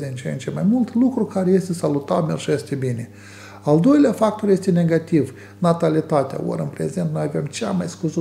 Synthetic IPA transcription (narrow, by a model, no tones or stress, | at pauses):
eɨnt͡ʃent͡ʃemajmult̪lukɾukaɾeje̞st̪e̞salut̪atmerʒest̪ebinʲe | ald̪o̞jleafak̚t̪orje̞st̪e̞ne̞ɡat̪iv | nat̪alit̪at̪ea̰o̰ɾɨnpɾe̞̰ze̞nt̪nojave̞mt͡ʃeamajskuzu